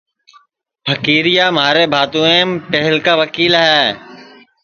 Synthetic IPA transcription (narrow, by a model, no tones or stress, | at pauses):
pʰəkiːɾɪjaːmɦaːɾeːbʱaːt̪ũːẽːpɛɦɪlkaːʋəkiːlɦɛː